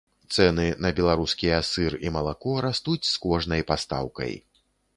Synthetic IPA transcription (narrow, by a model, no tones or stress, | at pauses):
t̪sɛnɨnɐbʲɛlˠaɾuskʲiasɨrimɐlˠakɔɾast̪ut͡sʲskɔʐnɐjpast̪a̰wkɐ̰j